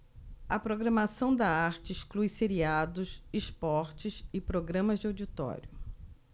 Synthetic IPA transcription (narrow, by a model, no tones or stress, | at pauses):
ɐpɾoɡɾɐmasɐ̃w̃d̪ɐaɾt͡ʃɪiʃklujseɾiad̪ʊsispɔɾt͡ʃɪsɪpɾoɡɾɐ̃mɐzd͡ʒɪawd͡ʒit̪ɔ̰ɾjʊ